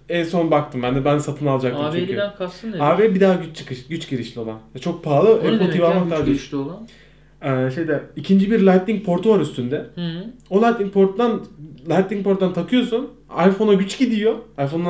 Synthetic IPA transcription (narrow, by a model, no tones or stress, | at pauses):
ɛnso̞nbak̚t̪ʰɯmbænd̪ɛbænsat̪ʰɯnalˠad͡ʒakt̪ɯt͡ʃʰeckʰaɯnaːvebid̪aːɟyt͡ʃt͡ʃʰɯ̥kɯʃɟyt͡ʃɟiɾiʃlʲio̞lˠanvɛt͡ʃʰo̞k̚pʰaːlˠɯɛpot̪ʰijvalˠmak̪aɾd͡ʒilˠa | ɛːʃe̞jd̪ɛicʰind͡ʒibiɾlʲajt̪lʲiŋc̚pʰo̞ɾt̪ʰuvaɾyst̪ʰynd̪ɛolʲˠat̪lʲiŋk̚pʰo̞ɾt̪d̪anlʲat̪lʲiŋkpʰo̞ɾt̪ːant̪ʰakʰɯjo̞sun | ajfo̞naɟyt͡ʃɟid̪ijo̞ajfo̞nːa